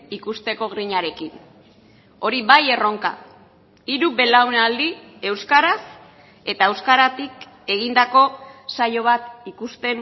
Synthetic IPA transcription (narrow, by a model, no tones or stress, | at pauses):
ikust̪e̞ko̞ɣɾiɲaɾe̞kin | o̞ɾiβaje̞ro̞ŋka̰ | iɾuβe̞lawnald̪ie̞wskaɾas | e̞t̪ae̞wskaɾat̪ik | e̞ɣind̪ako̞sajo̞β̞at̪ikust̪e̞n